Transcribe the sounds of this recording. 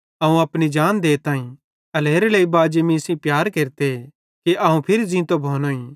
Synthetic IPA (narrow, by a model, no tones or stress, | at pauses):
ɐũɐpnid͡ʒaːnd̪eːt̪aːĩ | ɐleːɾeleibaːd͡ʒemĩsĩpjaːɾkeːɾt̪e | keʔɐũpʰɪɾizĩt̪obʱoːnoːĩ